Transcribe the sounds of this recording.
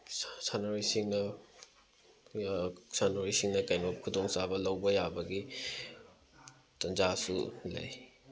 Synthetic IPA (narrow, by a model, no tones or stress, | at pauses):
sanoɾisiŋnɐ | sanoɾisiŋnɐkɐjnokʰːudoŋsabɐlɐwbɐjabɐɡi | tɐnd͡ʒasṵlɐ̰j